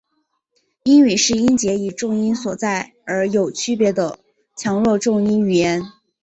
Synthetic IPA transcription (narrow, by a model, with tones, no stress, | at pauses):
i˥ny˨˩ʂɻ̩˥˩i˥nt͡ɕjɛ˧˥i˨˩ʈ͡ʂʊ˥˧ŋi˥nswɔ˨˩t͡sa˥˩ɪ | ə˞˧˥jo˨˩ʊt͡ɕʰy˥pjɛ˧˥d̪ə˧ | t͡ɕʰjɑ˧˥ŋlwɔ˥˧ʈ͡ʂʊ˥˧ŋi˥ny˨˩jɛ˧˥n